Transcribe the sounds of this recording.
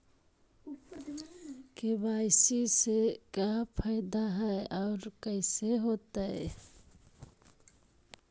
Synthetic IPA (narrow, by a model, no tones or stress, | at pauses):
kebaɪsisekapʰəɪd̪aɦɛʔaʊɾkəɪseɦot̪a